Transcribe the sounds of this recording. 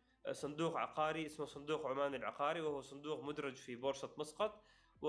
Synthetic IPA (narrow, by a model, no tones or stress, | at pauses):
sˤʊnd̪uːqʕɑ̰qɑːɾiʔɪsmasˤʊnd̪uːqʕʊmaːnalʕɑ̰qɑːɾiwɪhuwsˤʊnd̪uːqmʊd̪ɾˤɑd͡ʒfibʊɾsˤɑt̪mɑsˤqɑt̪ˤ | wɪ